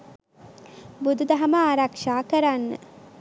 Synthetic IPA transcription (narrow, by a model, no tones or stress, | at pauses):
bud̪ud̪ɐɦɐməaɾakʃaːkəɾanːə̰